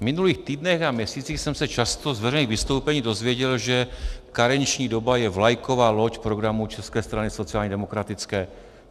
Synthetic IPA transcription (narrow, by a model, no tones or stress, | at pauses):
mɪnuliːxt̪iːdnɛxamɲɛsiːt͡siːxsɛmsɛt͡ʃast̪o̞zvɛɾɛjniːɣvɪst̪o̞wpɛɲiːdo̞zvjɛɟɛlʒɛkaɾɛɲt͡ʃɲiːdo̞bajɛvlajko̞vaːlo̞cpɾoɡɾamut͡ʃɛskɛːst̪ɾanɪso̞t͡siaːlɲɛdɛmo̞kɾat̪ɪt͡skɛː